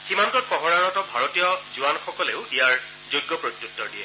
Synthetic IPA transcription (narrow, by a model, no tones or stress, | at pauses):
ximantɔt̚pɔɦɔɹaɹɔtɔbʱaɹotijɔzuwanxɔkɔleʊijaɹ | zojɡːɔpɹot̪utːɔɹdiɛ